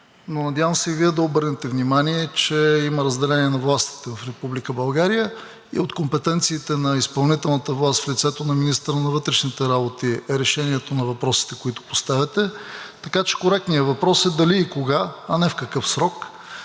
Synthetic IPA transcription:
nonɐd̪ʲjavə̃msɛiviɛd̪ɐobɤɾnɛt̪ɛvnimaniɛt͡ʃɛiməɾəzd̪ɛlɛniɛnɐvlˠast̪i̥t̪ɛvɐfɾɛpublikəbɐlˠɡaɾijə | ḭot̪kompɛt̪ɛnt̪siːt̪ɛnɐispɐlˠnit̪ɛlˠnət̪əvlˠast̪flit̪sɛt̪onɐminist̪əɾənɐvɤt̪ɾɛʃnit̪ɛɾabot̪iɛɾɛʃɛniɛt̪onɐvɐpɾɔsi̥t̪ɛ̥koit̪ʊ̥po̥st̪avʲɛt̪ɛt̪ɐkat͡ʃɛ̥koɾɛk̚t̪nijəvɐpɾɔsɛd̪ɐliːkoɡaɐnɛfkɐkɤfsɾɔk

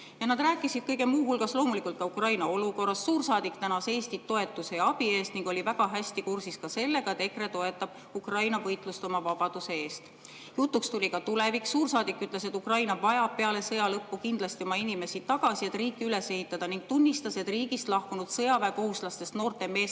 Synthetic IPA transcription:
jɑnɑd̪ræːkːˑisid̪̥kɤjɡe̞muːɦulɡ̥ɑsloːmulikˑult̪̚kɑukrɑjnɑo̞luko̞rːɑsːuːrsɑːd̪ikt̪ænɑse̞ːsʲt̪io̞e̞t̪ːˑuse̞ɑbie̞ːst̪niŋɡ̥o̞lʲivæɡɑɦæsʲt̪ikursiskɑse̞lːe̞ɡɑet̪e̞kre̞t̪o̞e̞t̪ːˑɑb̥̚ | ukrɑjnɑvɤjt̪ˑlust̪o̞mɑvɑb̥ɑd̪̥use̞e̞ːst̪ | jut̪ːˑukst̪ulʲikɑt̪ule̞vikssuːrsɑːd̪ikːˑyt̪ˑle̞set̪ːˑukrɑjnɑvɑjɑb̥̚pe̞ɑle̞sɤjɑlɤpːukind̪lɑst̪io̞mɑinime̞sit̪ːɑɡ̥ɑsie̞t̪ːˑriːkːiyle̞se̞hit̪ːˑɑd̪̥ɑniŋɡ̥̚t̪unʲːist̪ɑse̞t̪ˑriːɡist̪lɑhkunud̪̥sɤjɑvæːko̞huslɑst̪e̞st̪no̞ːrt̪e̞me̞ːs

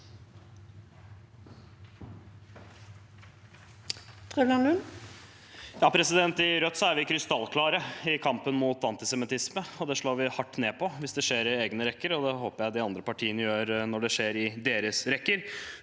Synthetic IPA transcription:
t̪ʰʁɛʋlɑnlʉn | jɑːpʰɾɛsɪd̪ɛnt̪ɪɾœt̪ːsɔæɾʋɪkʰɾɪst̪ɑlkʰlɑːɾəɪkʰɑmpənmuːt̪ɑnt̪ɪsɛmɪt̪ɪsməɔd̪ɛʂɭoːɾʋɪhɑʈːneːpʰɔʋɪsd̪ɛʂeːɾɪeːɡnəɾɛkːəɾɔd̪ɛɦoːpəɾjæɪd̪ɪɑnd̪ɾəpɑʈʰiːənəjøːɾnɔɖɛʂeːɾɪd̪eːɾəsɾɛkːəɾ

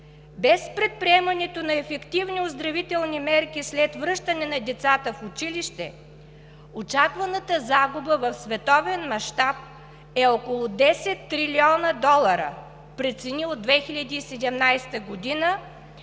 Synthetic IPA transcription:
bɛspɾɛt̪̚pɾiɛmɐnɛt̪onɐɛfɛkt̪ivniozd̪ɾɐvit̪ɛlˠnimɛɾkislɛt̪vɾɤʃt̪ənɛnɐd̪ɛt̪sat̪əfʊt͡ʃiliʃt̪ɛ̰ | ot͡ʃakvɐnət̪əzaɡubəvɐfsvɛt̪ɔvɛnmɐʃt̪ap̚ | ɛɔkolˠʊd̪ɛsɛt̪ːɾiliɔnəd̪ɔlˠəɾə̰ | pɾɛt̪sɛniod̪ːvɛxiʎʲɐd̪iːsɛd̪ɛmnajst̪əɡod̪inə

